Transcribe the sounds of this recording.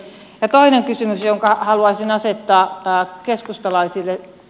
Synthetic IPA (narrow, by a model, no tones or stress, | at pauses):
jɑt̪oineŋkysymysjoŋkɑhɑluɑisinɑset̪ːɑːkeskust̪ɑlɑisilːe